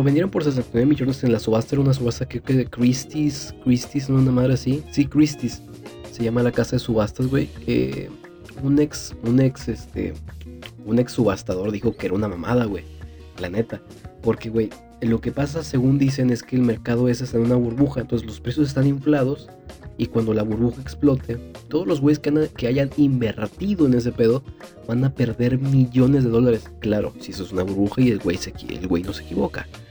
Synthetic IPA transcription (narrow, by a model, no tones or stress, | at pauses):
oβend̪jeɾo̞mpo̞ɾs̬es̬ant̪ionjmit͡ʃoɾnesenlasuβast̪aeɾaunas̬uβast̪akɾeokekɾist̪iskɾist̪is̬nounamað̞ɾeasisikɾist̪isː | e̞ʝamalakasaðe̞suβast̪azɣwḛjḛ | uneksune̞ksest̪ḛ | une̞ksːuβast̪aðo̞ɾðixo̞keeɾaunama̰ma̰ðaɣwej | plane̞t̪a | po̞ɾke̞ɣwe̞j | lo̞ke̞pas̬ase̞ɣund̪is̬e̞ne̞ske̞ːlme̞ɾkað̞o̞e̞s̬esanunaβuɾβuxaent̪ons̬zlospɾe̞sjo̞s̬e̞s̬t̪aniɱflað̞o̞s | ikwand̪o̞laβuɾβuxaeksplo̞t̪ʰe̞t̪o̞ðo̞zlo̞zɣwe̞jeskkeaʝanimbe̞ɾt̪iðo̞e̞ne̞s̬e̞pe̞ð̞o̞βanape̞ɾðe̞ɾmiʝo̞ne̞zðe̞ðo̞laɾe̞sklaɾo̞̰sies̬oesunaβuɾβuxaie̞lwḛjseḛlɣwe̞jno̞sekiβo̞ka̰